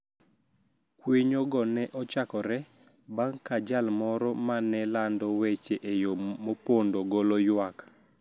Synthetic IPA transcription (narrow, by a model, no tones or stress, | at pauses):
kweɲɔɡɔnɛʔɔt͡ʃakɔɾɛ | baŋkad͡ʒalmɔɾɔmanɛlandɔwet͡ʃeʔejomopondoɡolɔjwak